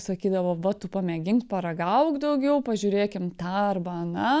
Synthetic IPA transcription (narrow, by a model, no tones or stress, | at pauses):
sɐkʲiːd̪ɐʋoʋɐt̪ʊpɐmʲɛɡʲɪŋkpɐɾɐɡɐʊkd̪ɐʊɡʲɛʊpɐʒʲuɾʲeːkʲɪmt̪ɑːɐrbɐnɐ